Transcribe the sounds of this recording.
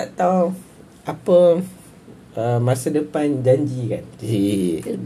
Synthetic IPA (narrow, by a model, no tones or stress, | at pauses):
t̪aʔt̪aw | ʔapə | əmãsadəpand͡ʒaɲd͡ʒika̰ni